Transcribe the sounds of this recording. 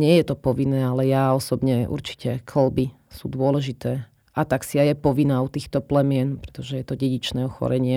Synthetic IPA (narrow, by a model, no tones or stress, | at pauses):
ɲɪɛjɛt̪ɔpɔʋinːɛːalɛjaɔsɔbɲɛṵɾt͡ʃi̥cɛkʰl̩bi | suːd̪ʊɔlɛʒit̪ɛː | ʔat̪aksiajɛpɔʋinaːut̪iːxt̪ɔplɛmɪɛnpɾɛt̪ɔʒɛjɛt̪ɔɟɛɟit͡ʃnɛːɔxɔ̰ɾɛɲɪɛ